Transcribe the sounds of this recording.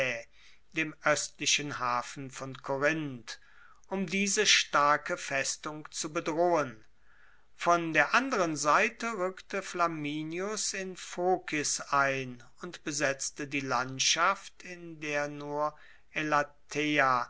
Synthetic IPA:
d̥eːmʔœstlɪʃənhaːfn̩fɔnkʰoʁɪnt | ʔʊmdiːzəʃtaɐkəfɛstʊŋkt͡subədʁoːən | fɔndeːɐʔandəʁənzaɪtəʁʏktəflamiːnjʊsɪnfoːkʰɪsaɪn | ʊntb̥əzɛt͡stədiːlantʃaftɪndeːɐnuːɐ | elatʰea

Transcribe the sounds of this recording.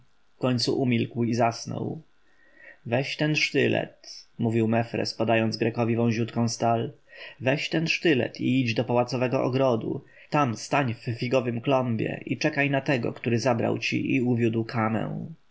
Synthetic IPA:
fkɔɲt̪suʔumʲilkwizasnɔ̰w | vɛɕt̪ɛnʂt̪ɘlɛ̰t̪muvʲiwmɛfɾɛ̰spad̪ajɔnd̪zɡɾɛkɔvʲivɔ̃w̃ʑut̪kɔ̃w̃st̪al | vɛɕt̪ɛnʂt̪ɘlɛ̰t̪ʰiid͡ʑd̪ɔpawat̪sɔvɛɡɔʔɔɡɾɔd̪ṵ | t̪amst̪aɲffʲiɡɔvɘmklɔmbʲjɛ̰ʔit͡ʂɛkajnat̪ɛɡɔ̰kt̪uɾɘzabɾa̰wt͡ɕḭʔiuvʲjud̪wkʰamɛ̰̃w̃

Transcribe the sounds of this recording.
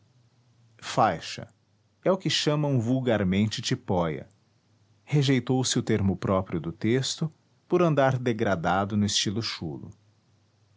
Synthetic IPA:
fajʃɐ̰ | ɛʊkɪʃɐ̃mɐũvuwɡaɾmẽnt͡ʃɪt͡ʃipɔjɐ̰ | heʒejt̪owsɪʊt̪eɾmʊpɾɔpɾiʊd̪ʊt̪est̪ʊ | poɾɐ̃nd̪aɾd̪eɡɾad̪ad̪ʊnʊɪst͡ʃilʊʃṵlʊ̰

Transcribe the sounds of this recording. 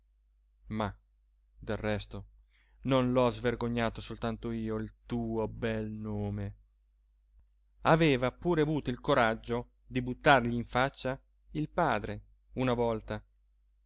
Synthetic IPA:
ma | d̪elrːɛst̪o | nonlɔzverɡoɲːaːt̪osolt̪ant̪oiːoilt̪uːobɛlnoːme | aveːvapuːɾeavuːt̪oilkoɾad͡ʒːo | d̪ibut̪ːarʎiːɱfat͡ʃːa | ilpaːd̪ɾe | unavɔlt̪a

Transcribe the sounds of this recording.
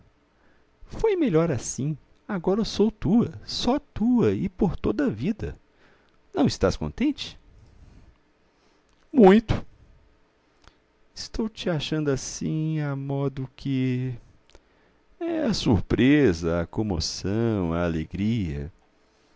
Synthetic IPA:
fojmeʎɔɾasĩ | aɡɔɾɐsowt̪uɐsɔt̪uɐɪpoɾt̪od̪ɐvid̪ɐ̰ | nɐ̃w̃ist̪askõ̰nt̪ẽnt͡ʃɪ̥ | mũj̃t̪ʊ̥ | ɪst̪owt͡ʃɪaʃɐ̃nd̪ʊasĩamɔd̪ʊkʰɪ | ɛɐsuɾpɾezɐːkõmo̰sɐ̃w̃ɐaleɡɾiɐ̰

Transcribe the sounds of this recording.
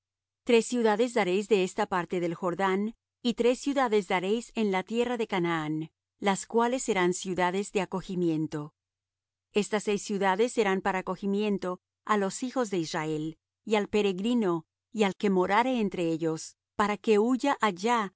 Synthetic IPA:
t̪ɾe̞sːjuðaðe̞zðaɾe̞jzðe̞est̪apaɾt̪e̞ðe̞lxo̞ɾðan | it̪ɾe̞sːjuðaðe̞zðaɾe̞jse̞nlat̪je̞raðe̞kanaan | laskwale̞sːe̞ɾansjuðaðe̞zðe̞ako̞ximje̞nt̪o̞ | e̞st̪asːejsːjuðaðe̞sːe̞ɾampaɾaːko̞ximje̞nt̪o̞ | alo̞sixo̞zðe̞israe̞l | ialpe̞ɾe̞ɣɾino̞ | ialke̞mo̞ɾaɾeːnt̪ɾe̞eʝo̞s | paɾake̞uʝaʔaʝa

